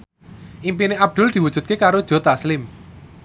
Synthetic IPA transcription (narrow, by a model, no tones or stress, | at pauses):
ʔimpineʔab̚d̪̥ʊ̤ld̪̥i̤wud̥ʒ̥ṳt̪̚kekaɾod̥ʒ̥ɔ̤t̪aslɪm